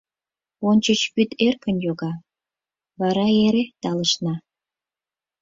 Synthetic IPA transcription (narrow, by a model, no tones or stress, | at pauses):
onʲt͡ɕət͡ɕpyt̪erkə̆njoɣɑ | βɑɾɑeɾet̪ɑlə̆ʃnɑ